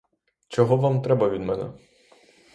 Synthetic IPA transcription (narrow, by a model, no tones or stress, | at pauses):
t͡ʃɔɦɔʋamt̪ɾɛbɐʋʲid̪mɛnɛ̰